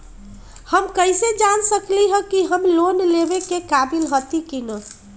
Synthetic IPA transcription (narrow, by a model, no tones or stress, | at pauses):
həmkəjsed͡ʒansəkliɦə̃kiɦəmlonlebekekabilɦət̪ikinə